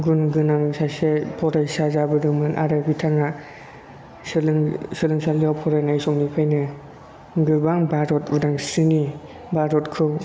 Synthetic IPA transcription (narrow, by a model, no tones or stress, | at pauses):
ɡunɡɯnamsasepʰɔɾajsazabɯdɯŋmɯnʔaɾɯbitʰaŋa | sɯlɯŋsɯlɯŋsalijawpʰɔɾajnajsɔŋnipʰajnɯ | ɡɯbaŋbaɾɔtbɯdaŋsɯni | baɾɔtkʰɯ